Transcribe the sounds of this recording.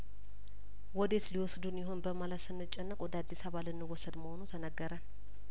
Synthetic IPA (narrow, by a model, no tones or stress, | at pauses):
wɔd̪e̞t̪liwɔsd̪unjɪɦo̞nbəmalət̪sɨnːɨt͡ʃʼːɛnːəkʼwɔd̪əad̪ːisaβalɨnːɨwːɔsːəd̪məho̞nut̪ʰənəɡːəɾən